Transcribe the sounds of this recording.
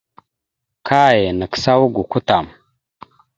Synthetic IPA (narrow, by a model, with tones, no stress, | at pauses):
kʰa˦je˨nə˨ksa˦wɡu˨ku˦ta˨m